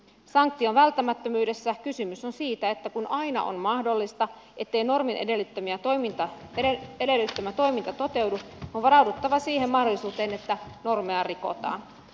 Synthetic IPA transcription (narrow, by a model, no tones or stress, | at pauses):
sɑŋk̚t̪ːio̞nʋælt̪ːæmæt̪ːømyːde̞sːækysymysonsiːt̪æe̞t̪ːækunʔɑjnɑ̰ʔo̰nmɑhdo̞lːist̪ɑ | ʔe̞t̪ːe̞jno̞rminʔḛdelt̪ːømiæt̪omit̪ɑ | edelːit̪ːømæt̪o̞jmint̪ɑt̪o̞t̪e̞wduonʋɑɾɑwdut̪ːɑʋɑsiːɦe̞mːɑhdolːˑisuːt̪e̞ːne̞t̪ːæno̞rmeɑriko̞̰t̪ɑ̰ːn